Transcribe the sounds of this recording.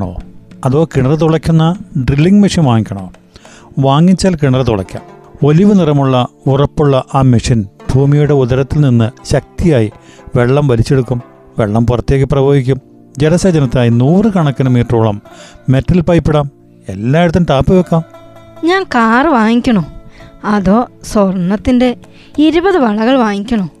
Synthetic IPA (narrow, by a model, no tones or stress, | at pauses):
ɳo̰ːɐðo̞ːkiɳɐrɨt̪uɭɐkʲːunːɐɖrilːiŋɡmiʂɐnʋaːŋikʲːɐɳɐ̃oː | ʋaːŋːit͡ɕːaːlkiɳɐrɐt̪uɭɐ̰kʲːa̰ːmo̞liʋɨnirɐmuɭːɐurɐpːuɭːɐʔaːmiʂinbʱuːmijuɽe̞uðɐɾɐt̪ːilninːɨɕɐk̚t̪ijaːjiʋe̞ɭːɐmʋɐlit͡ɕːe̞ɽukːum | ʋe̞ɭːɐmpurɐt̪ːje̞ːkːɐprɐjoːɡikʲːum | d͡ʑenɐsed͡ʑɐnɐt̪ːnaːjinuːrɨkɐɳɐkːɐnɐmiːʈruːɭɐmːe̞tːɐlpɐjpːiɽaːm | e̞lːaːiɽut̪ːɐnt̪aːpːɨʋekːaːmɲaːnkaːrɨʋaːŋikʲːɐɳuɐðoːsornːɐt̪ːinde̞ | iɾubɐðɨʋɐɭɐɣɐɭʋaːŋikʲːɐɳu